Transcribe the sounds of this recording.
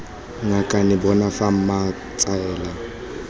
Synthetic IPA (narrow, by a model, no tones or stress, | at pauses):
ŋakʼanɪbɔnafam̩ma | t͡sʼaɛːla